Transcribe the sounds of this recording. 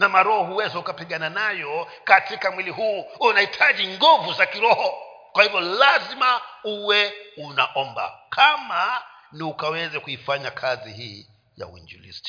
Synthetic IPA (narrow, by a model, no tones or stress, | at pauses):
namaɾɔhɔhuwɛzɛhukapiɠananajɔ | katikamwiliɦuːunahitʰaʄiŋɡɔvuzakiɾɔhɔ | kwahivjɔlazimauwɛunaʔɔmba̰kʰama | niukawɛzɛkuifaɲakʰazihiː | ja̰ṵḭnd͡ʒṵlḭsti̥